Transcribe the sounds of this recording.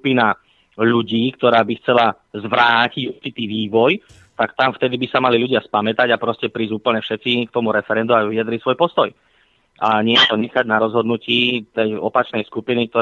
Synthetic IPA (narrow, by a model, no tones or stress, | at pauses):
pina | ʎuɟiːkt̪ɔɾaːbixt͡sɛla | zʋɾaːciɟuɾt͡ʃit̪iːʋiːʋɔj | t̪akt̪amft̪ɛd̪ibisamalilʎuɟɪaspamɛt̪aɟapɾɔscɛpɾiːzuːpl̩ɲɛfʃɛt̪t͡sikt̪ɔmuɾɛfɛɾɛnd̪uaʋiad̪ɾisʋɔjpɔst̪ɔj | ʔaɲɪɛjɛt̪ɔɲɛxaɟnaɾɔzɦɔd̪nuciːt̪ɛjɔ̰pat͡ʃnɛjskupinik̚t̪ɔ